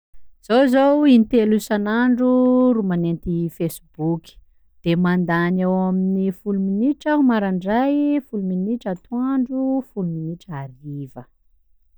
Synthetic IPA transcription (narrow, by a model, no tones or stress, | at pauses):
z̥owzowinit̪elusanaɳɖ͡ʐuɾumanent̪ifesibukʲi̥ | d̪̥emand̪anawaminifuluminiʈ͡ʂaumaɾaɳɖ͡ʐajfuluminiʈ͡ʂat̪uaɳɖ͡ʐufuluminiʈ͡ʂaɾivə